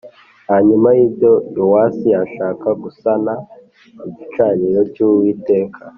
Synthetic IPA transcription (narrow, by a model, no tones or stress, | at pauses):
haɲumajibɟo̞duwasijaʃaːkaɡusana | iɟit͡ʃaːɲiɾo̞cuwiːte̞ːkʰa